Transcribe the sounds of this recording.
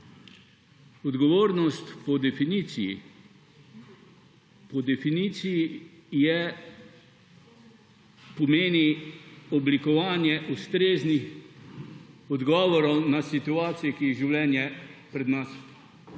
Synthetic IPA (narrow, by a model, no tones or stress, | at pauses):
ɔd̪ɡɔʋoːɾnɔst̪pɔd̪fn | pɔd̪ɛfinit̪sijijɛ | pɔmeːniɔblikɔʋaːnjɛʔust̪ɾeːznix | ɔd̪ɡɔːʋɔɾɔwnasit̪uaːt̪sijɛkiiʒiwlɛnjɛpɾɛd̪nas